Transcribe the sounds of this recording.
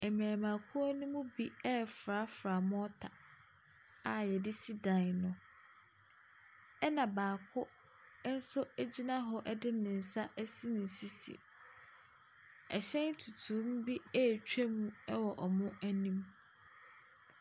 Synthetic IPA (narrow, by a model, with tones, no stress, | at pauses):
ɛ˨mæ̃ː˨mã˨kʰʊ˦æ˦nũ˦mũ˦bi˦ɛ˦˨fɾa˨˦fɾa˨mʊ̃˦ɔ˦tʰa˨ | a˨jɛ˨dɪ˦si˦dã˨n˨nʊ̃˨ | ɛ˦nã˨baː˨kʰʊ˦ | n̩˦sʊ˦æ˦d͡ʑi˦nã˦ɦɔ˦ʔɛ˦dɪ˦nɪ̃˨n̩˨sa˦ʔɛ˦si˦nɪ̃˨n˨si˦sḭ˨ | ɛ˨ɕɛ̃˦n˦tʰu˨tʰũ˨˦m˦bi˦ɛː˦˨t͡ɕᶣæ˦mũ˦ɛ˦wɔ˨ʔɔ˨mʊ̃˦æ˦nĩ˦m